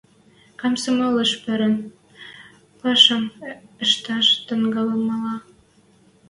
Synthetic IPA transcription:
kɑmsəmɑlə̆ʃpɘ̆ɾə̆n | pɑʃɑmə̆ʃt̪ɑʃt̪ə̆ŋɡɑlɤmɑlɑ

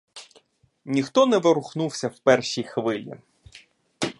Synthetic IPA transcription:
nʲixt̪ɔnɛʋɪɾʊxnuwsʲɐwpɛrʃijxʋɪlʲḭ

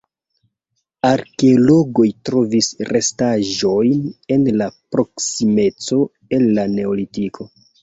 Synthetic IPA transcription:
aɾkeolo̞ɡo̞jtɾo̞visɾe̞staʒo̞jne̞nlapɾo̞ksime̞t͡so̞ | e̞lːane̞olitikʰo̞

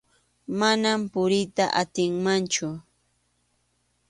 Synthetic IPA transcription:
manampʊɾɪt̪aʔat̪ɪŋmant͡ʃʊ

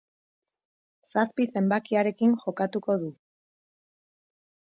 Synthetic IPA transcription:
saspise̞mbakiaɾe̞kiŋʝo̞kat̪uko̞ðu

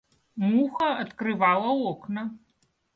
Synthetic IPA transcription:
muxɐːt̪kɾɨvalˠɐwɔknɐ

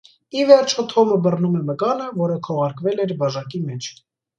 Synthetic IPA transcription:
ivɛɾt͡ʃʰɔt̪ʰɔməbərnumɛməkɑnəvɔɾəkʰɔʁɑɾkvɛlɛɾbɑʒɑkimɛt͡ʃʰ

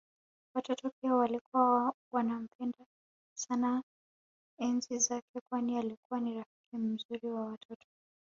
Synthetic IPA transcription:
watɔtɔpiawalikuwawanam̩pʰɛnda | sana | ɛnzizakʰɛkwanialikuwaniɾafi̥kim̩zuɾiwawatʰɔtɔ̥

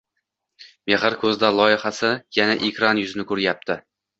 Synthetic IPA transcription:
meχɪɾkʰɵzd̪alˠɒjɪχasɪjanaʔekʲɾanjʊzɪnɪkʰɵɾjap̚t̪ʰɪ

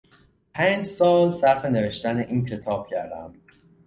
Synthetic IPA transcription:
pʰæːnd͡ʒsɒːlsæɾfe̞neve̞ʃt̪æneʔiːncʰe̞t̪ʰɒːb̥̚cʰæɾd̪æ̰m

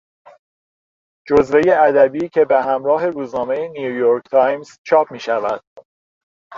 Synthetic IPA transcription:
d͡ʒozve̞je̞æd̪æbiːcʰe̞beɦæmɾɒːɦe̞ɾuːznɒːme̞jenijujoɾkʰt̪ʰɒːjmz̥t͡ʃʰɒːp̚miːʃævæd̪̥

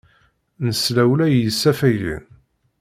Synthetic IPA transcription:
nəslæwlæjəsːæfæjlḭn

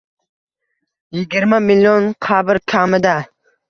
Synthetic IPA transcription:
jɪɡʲiɾmamiljonqʰabɪɾkʲʰamɪd̪a

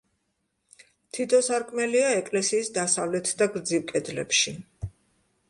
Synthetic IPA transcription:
t̪ʰit̪ʰɔsaɾkʼmɛliaɛkʼlɛsiːsd̪asavlɛt̪ʰd̪aɡɾd̪ziwkʼɛd̪lɛ̰pʃi

